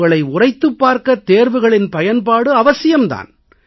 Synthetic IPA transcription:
ɣɐɭɐɪʊrɐɪt̪ːɯpːaːɾkɐt̪ːeːɾʋɯɣɐɭɪnpɐjɐnpaːɽɯɐʋɐsɪjɐmd̪a̰ːn

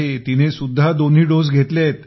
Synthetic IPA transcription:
et̪inesud̪ʱːad̪on̤ɦiːɖod͡zɡʱet̪let̪

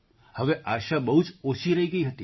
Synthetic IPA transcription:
həʋeʔaʃabəɦut͡ʃoʃiɾəɦiɡəiɦət̪i

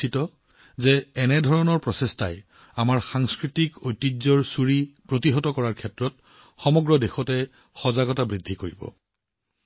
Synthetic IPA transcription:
itɔ | zɛɛnɛdʱɔɹɔnɔɹpɹɔsesta̰j | amaɹxaŋskɹitikojtːizɔɹsuɹipɹotiɦɔtɔkɔɹaɹkʰɛtɹɔt̚ | xɔmɔɡɹɔdexɔtɛ | xɔzaɡɔtabɹidʱːikoɹibɔ̰

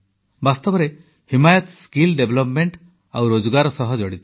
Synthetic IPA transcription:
bast̪ɔbɔɾe | himajɔt̪skilɖeblɔpmeɳʈ | awɾod͡ʒɔɡaɾɔsɔɦɔd͡ʒɔɽit̪i̥

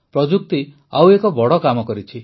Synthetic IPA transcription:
pɾɔd͡ʒuk̚t̪i | awekɔbɔɽɔkamɔkɔɾit͡ʃʰi

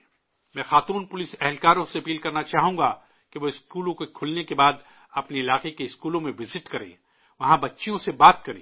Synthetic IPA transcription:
mɛ̃ːxaːt̪uːnpʊlɪsɛɦlkaːɾõseɐpiːlkɐɾnat͡ʃaːɦũːɡa | keʋoɪskuːlõkekʰʊlnekebaːd̪ | ɐpniɪlaːqekeɪskuːlõmẽʋɪzɪʈkɐɾḛ̃ː | ʋɐɦãbɐtːʃijõsebaːt̪̚kɐɾḛ̃ː

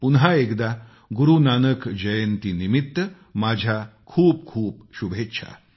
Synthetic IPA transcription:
punɦaekd̪a | ɡuɾunanəkd͡ʑəjənt̪inimit̪ːə | mad͡ʑʱjakʰuːp̚kʰuːpɕubʱet̪ːɕʰa̰

